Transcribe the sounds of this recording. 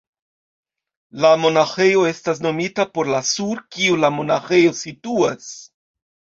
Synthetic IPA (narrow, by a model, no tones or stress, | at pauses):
lamo̞naxe̞jo̞e̞stas̬no̞mitapo̞ɾlasuɾkiulamo̞naxe̞jo̞situas